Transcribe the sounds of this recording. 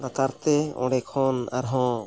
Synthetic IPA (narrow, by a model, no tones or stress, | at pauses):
ɡat̪aɾt̪ɛɔ̰̃ɽɛkʰɔna̰ɾɦɔ̃